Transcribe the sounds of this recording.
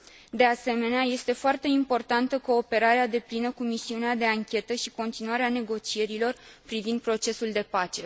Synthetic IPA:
d̪e̞ase̞me̞neaje̞st̪e̞foart̪e̞impo̞rt̪ant̪əko̞ːpe̞ɾaɾead̪e̞plinəkumisiunead̪e̞aŋkʲe̞t̪əʃiko̞nt̪inuaɾeane̞ɡo̞t͡ʃie̞ɾilo̞rpɾivind̪̚pɾo̞t͡ʃe̞suld̪e̞pat͡ʃe̞

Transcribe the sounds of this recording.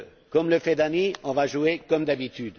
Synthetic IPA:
kɔmləfɛd̪aniɔ̃vaʒuekɔmd̪abit̪yd̪

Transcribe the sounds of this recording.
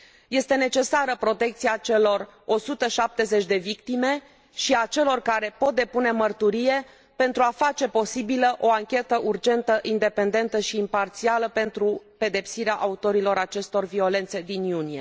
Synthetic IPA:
je̞st̪e̞ne̞t͡ʃe̞saɾəpɾo̞t̪e̞k̚t̪siat͡ʃe̞lo̞ro̞sut̪əʃap̚t̪e̞ze̞t͡ʃʲd̪e̞vikt̪ime̞ | ʃiat͡ʃe̞lo̞rkaɾe̞po̞t̪̚d̪e̞pune̞mərt̪uɾije̞ | pe̞nt̪ɾuafat͡ʃe̞po̞sibiləʔo̞aŋkʲe̞t̪əʔurd͡ʒe̞nt̪əʔind̪e̞pe̞nd̪e̞nt̪əʃiːmpart̪sialəpe̞nt̪ɾupe̞d̪e̞psiɾeaʔaut̪o̞ɾilo̞ɾat͡ʃe̞st̪o̞rvio̞le̞nt̪se̞d̪injunije̞̰

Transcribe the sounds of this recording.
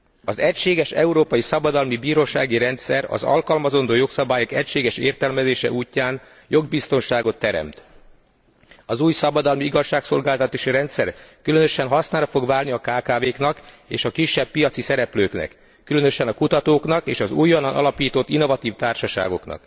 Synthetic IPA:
ɒzɛcʃeːɡɛʃɛ̰uɾoːpɒjisɒbɒd̪ɒlmibiːɾoːʃaːɡiɾɛnt̪sɛɾɒ̰zɒ̰lkɒlmɒzo̞nd̪oːjo̞ksɒbaːjokɛcʃeːɡɛʃḛːrt̪ɛlmɛzeːʃɛ̰ʔuːcːaːn | jo̞ɡ̚bist̪o̞nʃaːɡo̞t̪ːɛɾɛ̰mt̪ | ɒzuːjsɒbɒd̪ɒlmiiɡɒʃːaːkso̞lɡaːlt̪ɒt̪aːʃiɾɛnt̪sɛrkylø̞nøʃɛnɦɒsnaːɾɒfo̞ɡʋaːlniɒkaːkaːveːknɒk | ḛːʃɒkiʃːɛb̚ːijɒt̪sisɛɾɛpløːknɛ̰kː | ylø̞nøʃɛnɒkut̪ɒt̪oːknɒkeːʃɒzṵːjːonːɒnʔɒ̰lɒpiːt̪ot̪ːinːo̞vɒt̪iːft̪aːrʃɒʃa̰ːɡo̞knɒ̰k

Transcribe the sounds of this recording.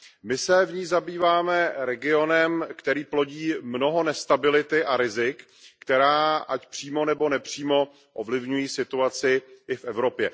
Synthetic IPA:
mɪsɛvɲiːzabiːvaːmɛɾɛɡɪo̞nɛmkt̪ɛɾiːplo̞ɟiːmno̞ɦo̞nɛst̪abɪlɪt̪ɪʔaɾɪzɪkː | t̪ɛɾaːʔacpr̥iːmo̞nɛbo̞nɛpr̝̥iːmo̞ | ʔovlɪvɲujiːsɪt̪uat͡sɪʔɪfʔɛvɾo̞pjɛ

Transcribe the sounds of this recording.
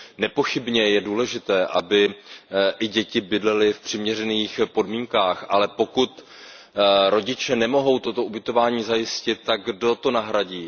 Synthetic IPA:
nɛpo̞xɪbɲɛjɛduːlɛʒɪt̪ɛːʔabɪ | ʔɪɟɛcɪbɪdlɛlɪfpr̝̥ɪmɲɛrɛniːxpo̞dmiːŋkaːxʔalɛpo̞kut̪ | ɾo̞ɟɪt͡ʃɛnɛmo̞ɦo̞wt̪o̞t̪o̞ubɪt̪o̞vaːɲiːzajɪscɪt̪̚ːaɡ̚ɡdo̞t̪o̞naɦɾaɟiː

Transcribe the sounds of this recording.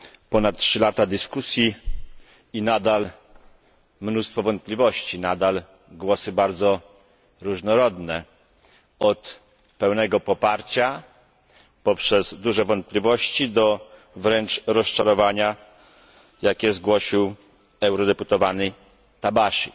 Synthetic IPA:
pɔnat̪̚ːtʂɘlat̪ad̪ɘskusʲji | inad̪al | mnust̪fɔvɔnt̪̚plʲivɔɕt͡ɕinad̪al | ɡwɔsɘbaɾd̪zɔ | ɾuʐnɔɾɔd̪nɛ | ɔt̪ | pɛwnɛɡɔpɔpaɾt͡ɕa | pɔpʂɛzd̪uʐɛvɔnt̪̚plʲivɔɕt͡ɕid̪ɔ | vɾɛnt͡ʂɾɔst͡ʂaɾɔvaɲa | jakʲɛzɡwɔɕiw | ɛwɾɔd̪ɛput̪ɔvanɘj | t̪abaɕi

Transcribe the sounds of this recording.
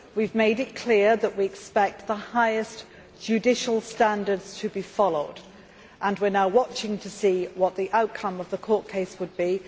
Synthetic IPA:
wivmeɪɾɪt̚kʰl̥ɪəɹðəʔwiɛkspɛk̚t̪̚ðəhaɪɪs | d̥ʒ̥ʉdɪʃəlˠstæ̃ndə˞dz̥tʰəbifɒloʊd | ʔə̃nwɪənaʊwɒt͡ʃɪ̃ŋtʰəsiːwɒʔ̪ðiʔaʊt̚kʰʌ̃məvðəkʰɔˑʔkʰeɪswəd̚bi

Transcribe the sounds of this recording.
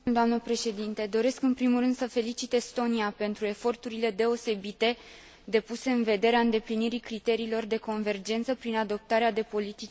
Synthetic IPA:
d̪oamnəpɾe̞ʃe̞d̪int̪e̞d̪o̞ɾe̞skɨnpɾimulrɨnd̪̥səfe̞lit͡ʃit̪est̪o̞niape̞nt̪ɾue̞fo̞rt̪uɾile̞d̪e̞o̞se̞bit̪e̞ | d̪e̞puse̞ɨnve̞d̪e̞ɾeaɨnd̪e̞pliniɾikɾit̪e̞ɾiːlo̞rd̪e̞ko̞nve̞rd͡ʒe̞nt̪səpɾinad̪o̞p̚t̪aɾead̪e̞po̞lit̪i

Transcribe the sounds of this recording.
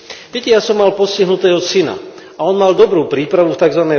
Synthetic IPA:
ʋɛcɛjasɔmːalpɔsciɦnut̪ɛːɦɔsina̰ | aɔnmald̪ɔbɾuːpɾiːpɾaʋuft̪aɡzʋanɛ

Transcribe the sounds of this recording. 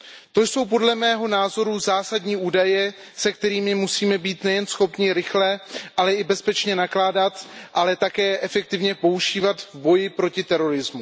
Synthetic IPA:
t̪o̞jso̞wp̬o̞dlɛmɛːɦo̞naːzo̞ɾuzaːsadɲiːʔuːdajɛ | sɛkt̪ɛɾiːmɪmusiːmɛbiːt̪nɛjɛnsxo̞pɲɪɾɪxlɛʔalɛɪbɛspɛt͡ʃɲɛnaklaːdat̪ʔalɛt̪akɛːʔɛfɛk̚t̪ɪvɲɛpo̞uʒiːvat̪vbo̞jɪpɾo̞cɪt̪ɛɾo̞ɾɪzmu

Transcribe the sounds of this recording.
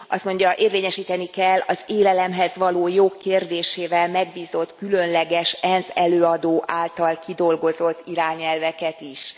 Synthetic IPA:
ʔɒ̰st̪mo̞ɲɟɒʔeːrveːɲɛʃiːt̪ɛnikɛlːɒzeːlɛlɛmɦɛzʋɒloːjoːkːeːrd̪eːʃeːvɛlmɛɡbiːzo̞t̪kylø̞nlɛɡɛʃɛnzɛløːɒd̪oːʔaːlt̪ɒlkid̪o̞lɡo̞zo̞t̪ːiɾaːɲɛlvɛkɛt̪iʃ

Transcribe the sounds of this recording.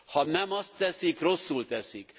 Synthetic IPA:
hɒnɛmɒst̪ːɛsikro̞sːult̪ɛsik

